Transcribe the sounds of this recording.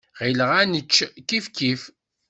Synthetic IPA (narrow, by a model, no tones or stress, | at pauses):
ʁiləʁænət͡ʃːkːifkːif